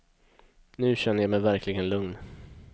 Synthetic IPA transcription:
nʉ̟ːɕɛnːəjɑmɛjvæɾkʰlɪɡənlɵŋn

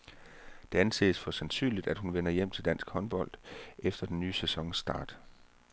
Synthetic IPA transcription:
d̥e̝ænse̝̰ːsfɒ̽sænsy̰ːnlid̥æd̥hunʋenɐjem̰t͡sʰe̝ld̥æn̰sɡ̥hɒ̽nb̥ɒ̽l̰d̥efd̥ɐd̥enːyːəsesɒ̽ŋsd̥ɑ̰̈ːd̥

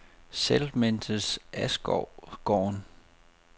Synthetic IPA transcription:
selmend̥əsæsɡ̥ɒʊ̰ɡ̥ɒ̰ːn

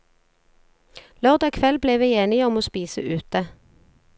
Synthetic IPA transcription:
lɔʁd̪ɑkʰʋɛlbleːʋeːeːnɪɔmoːspiːsə̰ʔʉːt̪ə

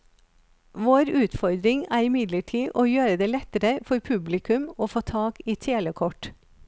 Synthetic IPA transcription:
ʋoːɾʉːt̪fɔɾd̪ɾɪŋæːɾɪmɪd̪ləʈʰiːʔoːjøːɾəd̪eːlɛt̪əɾəfɔɾpʰʉblɪkʉmoːfoːt̪ʰɑːkiːt̪ʰeːləkʰɔʈ

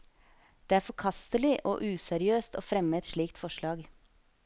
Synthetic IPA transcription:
d̪̥eːæːɾfɔkʰɑst̪əlɪʔo̰ːʔʉːsɛɾɪøːst̪o̰ːfɾɛməɛt̪ʃɭiːk̚t̪fɔʃɭɑːɡ

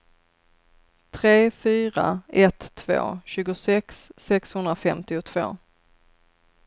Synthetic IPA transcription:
t̪ʰɾeːfyːɾa̰ʔɛt̪ʰːv̥o̰ːɕʉ̟ːɡʊsɛksːɛkshɵnd̪ɾafɛmt̪ɪʊt̪ʰv̥o̰ː

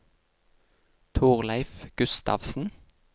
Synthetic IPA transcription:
t̪ʰuːʁlæɪfɡ̥ʉst̪ɑ̰ʋsn̩

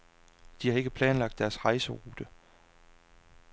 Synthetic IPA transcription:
d̥ihɑ̈e̝ɡ̥əpʰlɛːnlɑ̈ɡ̥̚d̥ːæɐsʁɑ̈ɪsəʁuːd̥ə

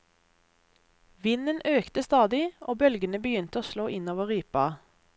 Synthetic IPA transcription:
ʋɪnənøːkt̪əst̪ɑːd̪ɪʔoːbœlɡənəbəjʏnt̪əoːsloːʔɪnoːʋəʁyːpɑ

